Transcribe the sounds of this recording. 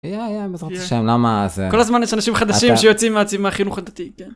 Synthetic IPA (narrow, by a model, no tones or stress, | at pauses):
jajamazʁot͡siʃaemlamazeko̞lazmanjɛʃanaʃimχad̪aʃimʃejot͡simeat͡simaχinuχad̪at̪iken